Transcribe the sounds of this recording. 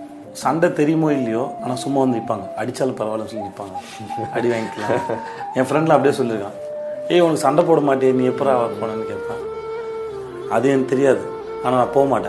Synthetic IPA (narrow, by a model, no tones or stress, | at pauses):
sɐɳɖɐt̪ɛɾɪjɯmoːɪlːɐjoːaːnaːsʊmːaːʋɐnd̪ɯɪpːaːŋɡɐɐɽɪt͡ʃːaːlɐ̃pɐɾɐʋaːlɐmsɔnːɪpːaːŋɡɐ | ɐɽɪʋaːŋɡɪkːlãẽːfɪɾɛɳɖl̃ːp̬ːɽɪeːsɔlːɪɾɯkːãː | eːʊnɐkːɯsɐɳɖɐp̬oːɽɐmaːʈ̬ːeenĩːɛpːɐɾ̃ɐʋpoːnaːnɯkeːʈpːãː | ɐðɯɛnt̪ɛɾɪjaːðɯ | aːnaːnãːpoːʋɐmaːʈːã